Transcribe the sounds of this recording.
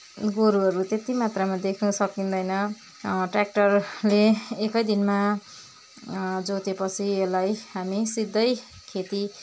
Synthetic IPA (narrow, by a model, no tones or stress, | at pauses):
ɡoɾuɦʌɾut̪et̪imat̪ramad̪ekʰnʌsʌkind̪ʌjnʌ | ʈrak̚ʈʌrleːkʌjd̪inma | d͡zot̪epʌt͡sʰielajɦamisid̪ʱːʌj | kʰet̪i